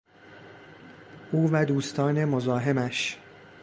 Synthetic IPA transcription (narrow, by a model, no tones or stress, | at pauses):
ʔuːvæd̪uːst̪ʰɒːne̞mozɒːɦe̞mæʃ